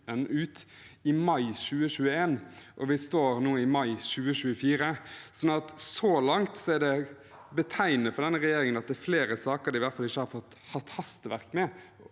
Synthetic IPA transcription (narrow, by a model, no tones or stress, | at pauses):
ənʉːt̪ɪmɑɪɕʉːəɕʉːəeːnʔɔʋɪst̪oːɾnuːɪmɑɪʃʉːəɕʉːəfiːɾəsɔnːɑt̪sɔlɑŋt̪sɔɛɖɛ | bət̪ʰæɪnəfɔɾd̪ɛnːəɾɛjeːɾɪŋənɑt̪̚d̪æːɾfleːɾəsɑːkəɾd̪ɪʋæɾt̪fɑlɪçːəhɑɾfɔt̪ː | hɑt̪ːhɑst̪əʋæɾkmɛ